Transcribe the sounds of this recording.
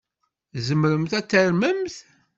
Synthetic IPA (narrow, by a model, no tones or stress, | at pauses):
zəmɾəmθæt͡sːæɾməmθ